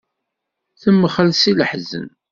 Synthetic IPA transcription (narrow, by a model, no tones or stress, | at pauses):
θəmːəχəlsiləħzə̰n